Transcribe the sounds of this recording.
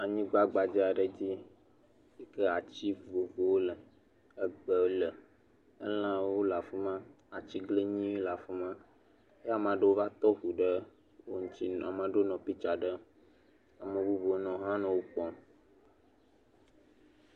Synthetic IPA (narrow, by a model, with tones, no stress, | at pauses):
a˨ɲĩ˦ɡ͡ba˦ɡ͡ba˨d͡ʑi˦a˨ɖə˨d͡ʑi˦ | si˦kə˦a˨t͡ɕi˦vo˨vo˨wo˦lə˨ | ə˦ɡ͡bə˨wo˦lə˨ | ə̰˦lã˦wo˦la˨fo˦mã˦ | a˨t͡ɕi˦ɡle˦ɲĩ˦wo˦la˨fo˦mã˦ | e˦a˨m˨ã˨ɖə˦wo˦va˦t̪ɔ˦ɸu˨ɖə˦ | wo˦ŋũ˦t͡ɕi˦a˨mã˨ɖo˦nɔ̃˨pi˦t͡ʃa˨ɖə˦ | a˨mə˨vu˦vo˨wo˦nɔ̃˨ɦã˦nã˨wo˦k͡pɔ˦